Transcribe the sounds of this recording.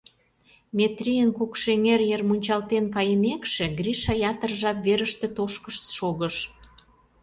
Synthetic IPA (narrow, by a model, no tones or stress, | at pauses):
met̪ɾʲijənkukʃeŋerjermunʲt͡ɕɑlt̪enkɑjə̆mekʃĕɣriʃɑjɑt̪ərʒɑpβeɾəʃt̪ĕt̪oʃkəʃt̪ʃoɣəʃ